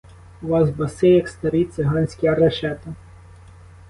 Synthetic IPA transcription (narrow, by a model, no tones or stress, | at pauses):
ʊʋɑzbɐsejɐkst̪ɐɾit̪seɦɑnʲsʲkʲiɐɾɐʃɛt̪ɐ